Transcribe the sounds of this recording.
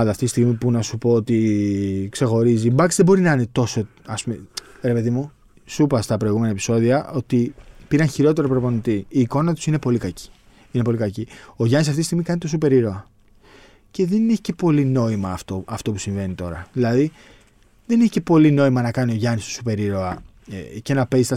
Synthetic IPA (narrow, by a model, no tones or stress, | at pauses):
ld̪ɐft̪it̪ist̪iɣmipunɐsupo̞ot̪i | kse̞xo̞ɾizibɐksðe̞bo̞ɾinɐine̞t̪o̞so̞ | ɐspumḛ | ɾe̞pe̞ðimu | supɐst̪ɐpɾo̞iɣume̞nɐepi̥so̞ðiɐʔo̞t̪ipiɾɐnçiɾo̞t̪̬e̞ɾopɾo̞po̞nit̪iːko̞nɐt̪u̥sine̞po̞likɐci̥ | ine̞po̞likɐcio̞ʝɐnisɐft̪ist̪iɣmikɐnit̪osupe̞ɾiɾo̞ɐ | ce̞ðeneçe̥ce̞po̞lino̞imɐːft̪oɐft̪o̞pusiɱve̞nit̪o̞ɾɐðilɐði | ðe̞neçe̥ce̞po̞lino̞imɐnɐkɐnio̞ʝɐnist̪osupe̞ɾiɾo̞ɐ | ce̞nɐpezist̪ɐ